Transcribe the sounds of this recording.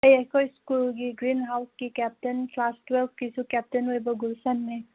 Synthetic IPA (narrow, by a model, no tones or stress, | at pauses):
əjekojskulɡiɡɾinɦawskikɛp̚tenplasʈwelb̚ʰkisukɛp̚tenɦojbɔɡulsanme